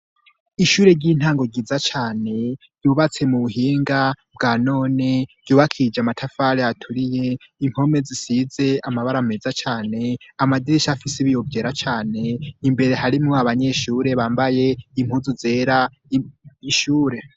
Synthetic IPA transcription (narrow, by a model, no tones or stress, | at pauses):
iʃuːɾe̞ɾɟiːn̥haːŋɡo̞ɟizat͡ʃaːne̞ | juβat͡se̞muβuɦiːŋɡa | bɡaːno̞ːne̞ɾɟuːβakʰid͡ʒamatʰafaɾeatʰuɾije̞ | im̥ho̞me̞zisize̞amaβaɾamezat͡ʃaːne̞amadiɾiʃafisiβijo̞vje̞ːɾat͡ʃaːne̞imbe̞ɾe̞ɦaɾimŋoaβaɲe̞ːʃuːɾe̞βaːmbaje̞im̥huːzuze̞ːɾa | iʃuːɾe̞